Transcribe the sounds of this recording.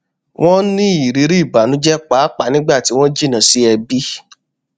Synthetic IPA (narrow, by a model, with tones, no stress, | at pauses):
w̃ʔɔ̃˦nĩ˦i˨ɾi˨˦ɾi˦˨ba˨nũ˨˦d͡ʒɛ˦k͡pa˨˦k͡pa˨˦nĩ˦ɡ͡ba˦˨ti˨˦w̃ɔ̃˦d͡ʒi˦˨nã˨si˦ɛ˧bi˦